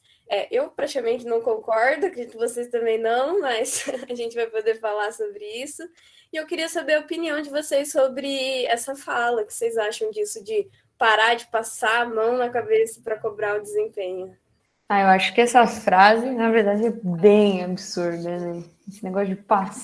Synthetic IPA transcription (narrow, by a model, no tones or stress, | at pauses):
ɛʔewpɾat͡ʃikamẽnt͡ʃɪnɐ̃w̃kõŋkɔɾd̪ʊkɾed͡ʒit̪ʊvosejst̪ɐ̃mbẽj̃nɐ̃w̃mɐzaʒẽnt͡ʃɪvajpod̪eɾfalaɾsobɾɪisʊ | ɪewkɪɾiɐsabeɾɐopiniɐ̃w̃d͡ʒɪvosejsːobɾɪɛsɐfalɐkɪ̥sejzaʃɐ̃w̃d͡ʒisʊd͡ʒɪ | paɾad͡ʒɪpasaamɐ̃w̃nɐkabesɐ̥pɾɐkobɾaʊd̪ɪzẽpẽɲʊ | aewaʃʊ̥kɪɛsɐfɾazɪnɐveɾd̪ad͡ʒɪɛbẽj̃abisuɾd̪ɐnɛ | esɪneɡɔsjʊd͡ʒɪpas